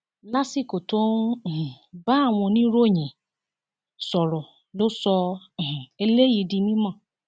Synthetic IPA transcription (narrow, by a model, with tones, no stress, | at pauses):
la˦si˦˨ko˨tõ˦˨ | ba˦a˦˨w̃ɔ̃˧nĩ˦ɾo˦˨ɲĩ˨ | sɔ˨ɾɔ˨ | lo˦sɔ̃˧˨ | e˧le˦ji˧˨di˧nĩ˦mã˦˨